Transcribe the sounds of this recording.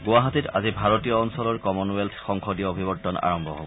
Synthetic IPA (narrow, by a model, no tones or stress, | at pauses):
ɡʊwaɦatita̰zibʱaɹɔtijɔːnsɔlɔɹkɔmɔnueltʰxɔŋkʰɔdijɔːbʱibɔtːɔna̰ɹɔmbʱɔɦo̰bɔ